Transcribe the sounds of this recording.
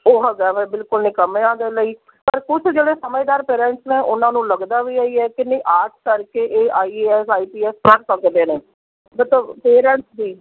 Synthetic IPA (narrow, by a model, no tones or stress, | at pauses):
oːɦəɡɛːʋẽːbɪlkʊlnɪ̃ːkəmẽːãːd̪eːləiː | pəɾkʊt͡ʃʰd͡ʒeːɽeːsəməjːd̪aːɾpeːɾɛ̃ɳʈsnẽːʔʊnãːnũːləɡd̪aːʋiːaːiːɛːkɪnə̃ːʔaːʈkəɾkeːʔeːʔaːiɛːsaːiːpiːɛːskəɽsəkd̪eːneː | mət̪ləbpeːɾɛ̃ːɳʈsd̪iː